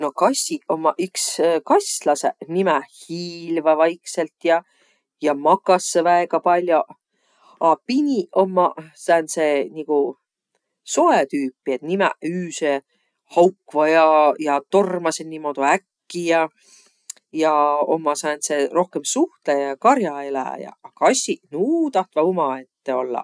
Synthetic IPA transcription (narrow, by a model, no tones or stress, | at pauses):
no̞kɑsʲːio̞mːɑʔykskɑsʲlɑsenimɛhiːlvɑvɑjkselt̪jɑ | jɑmɑkːɑsːevæeɡ̥ɑpɑlʲjoʔ | ɑpinʲio̞mːɑsɑense̞niku | so̞et̪yːpːˑiet̪nimæ̰yːse | hɑwkvɑjɑjɑt̪o̞rmɑsennimo̞d̪̥uækːijɑ | jɑo̞̰mːɑsɑense̞ro̞hke̞msuht̪ejɑkɑɾjɑelæ̰jɑ̰kɑsʲinuːt̪ɑht̪vɑumɑe̞t̪ːe̞o̞̰lːɑ̰